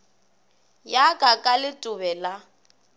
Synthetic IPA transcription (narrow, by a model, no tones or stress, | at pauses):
jakʼakʼalɪtʼʊβɛla